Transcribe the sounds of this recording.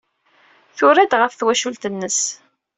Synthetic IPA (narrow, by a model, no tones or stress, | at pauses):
θʊɾæd̪ʁəfθwæʃult̪ənːəs